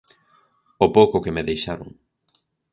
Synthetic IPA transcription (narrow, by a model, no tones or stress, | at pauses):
opowkʊkemeðejʃaɾo̰ŋ